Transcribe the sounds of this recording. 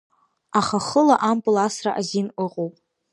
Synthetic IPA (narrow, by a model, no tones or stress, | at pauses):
aχaχəlaʔampʼulasraʔazinɨqʼowpʼ